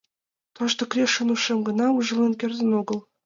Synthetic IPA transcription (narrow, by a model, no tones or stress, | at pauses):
t̪ɤ̆ʃt̪ɤ̆krʲeʃɤnuʃĕmɡɤ̆nɑuʒɤ̆lˠenkʲerʲzʲɘ̆noɡɤ̆lˠ